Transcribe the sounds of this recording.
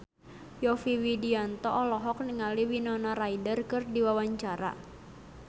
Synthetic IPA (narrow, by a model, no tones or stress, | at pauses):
jɔfiwidiant̪ɔʔɔlɔɦɔk̚niŋaliwinɔnaɾaidərkɨrdiwawaɲt͡ʃaɾa̰